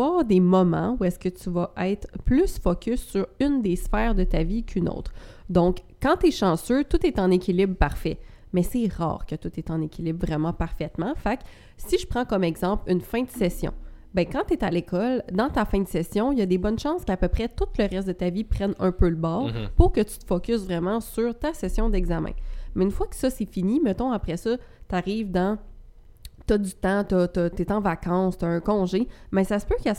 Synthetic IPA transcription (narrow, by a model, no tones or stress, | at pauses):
ɑːʁd̪emɔmɑ̰̃uɛskət̪yvaʔɛɪt̪χplysfɔkʲʏsːyʁynd̪esfɛːʁd̪ət̪avikʰyno̰ːt̪χd̪ɔ̃k | kːɑ̃t̪ɛʃɑ̃søt̪ut̪ɛt̪ɑ̃nekʲilɪbpaʁfɛ | mɛsɛʁɑ̰ːʁkət̪ut̪ɛt̪ɑ̃nekʲilɪbvʁɛmɑ̃paʁfɛt̪mɑ̃fak | siʒəpχɑ̃kɔmɛɡzɑ̃plynfɛ̃d̪əsɛsjɔ̰̃bɛ̃kɑ̃t̪et̪alekʰɔld̪ɑ̃t̪afɛ̃d̪əsɛsjɔ̃jʌd̪ebɔnʃɑ̃skapøpχɛt̪ʊt̪ləʁɛst̪̚d̪ət̪avipχɛnœ̃pøləbɑːʁpʊʁkət̪y̥t̪ə̥fɔkʲʏsvʁɛmɑ̃syʁt̪asɛsjɔ̃d̪ɛɡzamɛ̰̃mɛynfwakə̥sʌsefinimət̪ɔ̃apχɛsɔ | t̪aʁiːvd̪ɑ̃ | t̪ʌd̪yt̪ɑ̃t̪ɔt̪ɔt̪et̪ɑ̃vakɑ̃st̪ʌɛ̃kɔ̃ʒebɛ̃sasəpøkɛ